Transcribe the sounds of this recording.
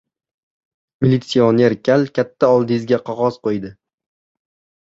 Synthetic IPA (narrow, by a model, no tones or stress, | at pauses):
milʲit̪sione̞ɾkʲʰalkʲʰat̪ʰːaɒlˠd̪ɪzɡʲaqʰɒʁɒzqojd̪ɪ